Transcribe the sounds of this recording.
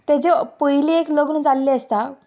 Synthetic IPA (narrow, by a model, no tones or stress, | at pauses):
t̪ed͡ʑepəɦliekloɡnəd͡zalːeəst̪a